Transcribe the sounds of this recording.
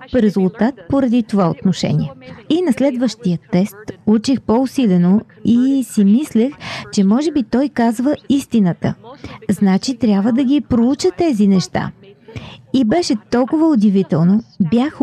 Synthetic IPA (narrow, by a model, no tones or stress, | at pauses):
ɾɛzulˠt̪at̪̚poɾɐd̪it̪ovaot̪noʃɛ̰nḭɛinɐslɛd̪vəʃt̪ijət̪ɛst̪ut͡ʃixpousilɛno | isimislɛxt͡ʃɛmɔʒɛbit̪ɔjkazvəist̪inət̪ə̰znat͡ʃit̪ɾʲjabvəd̪ɐɡʲipɾout͡ʃət̪ɛzinɛʃt̪a̰ | ibɛʃɛt̪ɔlˠkʊvəʊd̪ɛvit̪ɛlˠnobjax